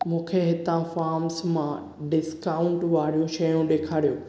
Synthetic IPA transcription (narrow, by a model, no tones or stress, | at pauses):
mũːkʰeɦɪt̪ãfaːɾmsmã | ɖɪskaʊ̃ɳʈʋaːɾijũʃɐjũɗeːkʰaːɾijõː